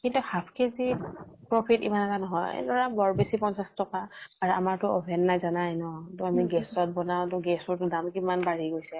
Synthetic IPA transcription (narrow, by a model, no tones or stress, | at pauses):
kintuhapʰkezipɹopʰitḭmanɛtanɔɦɔjḛdɔɹabɔɹbesipɔnsastɔkaːɹuamaɹtʊɔbʱɛnːajzanajnɔtʊamiɡɛsɔt̚bɔnaʊ̃tʊɡɛsɔɹtʊdamkimanbaɹiɡojsɛ